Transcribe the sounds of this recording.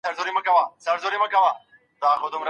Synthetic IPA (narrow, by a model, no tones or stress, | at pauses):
ɐɾzoɾimɐ̃kɐʋãːsɐɾzoɾimɐ̃kɐwãː | d̪aːxʊd̪umɾ